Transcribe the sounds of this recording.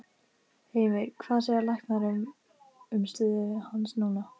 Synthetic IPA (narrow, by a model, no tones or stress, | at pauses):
heːjvɪɾkʰvaːðsɛɣalahknaɾʏm | ʏmst̪ʏːðʏhansnuːna